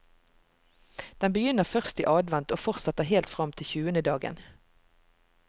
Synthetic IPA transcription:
d̪̥ɛnbəjʏnəʁfœʁst̪ḭːʔɑːd̪ʋɛnt̪oːfɔʁtsɑt̪əɦeːlt̪fʁɑmt̪ʰɪlçʉːənəd̪ɑːɡə̰n

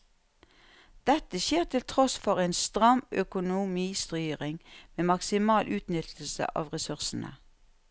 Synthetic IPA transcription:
d̪̥ɛt̪əçeːʁt̪ʰɪlt̪ʰʁɔsfɔʁeːnst̪ʁɑmœkʊnʊmiːst̪ʁyːʁɪŋmeːmɑksɪmɑːlʔʉːt̪nʏt̪ʰl̩sə̰ʔɑ̰ːʋʁɛsʉʁsn̩ə̰

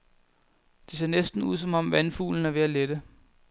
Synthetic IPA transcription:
d̥ese̝ɐnesd̥n̩uð̞̰ˠsɒ̽mɒ̽mʋænfṵːln̩æɐʋe̝æled̥ə

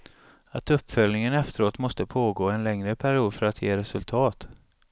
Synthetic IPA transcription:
at̪ɵpːfœlnɪŋənɛft̪əɾoːt̪mɔst̪əpʰoːɡoːɛnlɛŋɾəpʰæɾɪuːd̪fœɾat̪ʰjeːɾɛsɵlt̪ʰɑːt̪

